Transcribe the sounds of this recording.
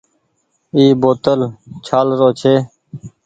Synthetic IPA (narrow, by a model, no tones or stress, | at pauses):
iːboːt̪əlt͡ʃʰaːlɾoːt͡ʃʰeː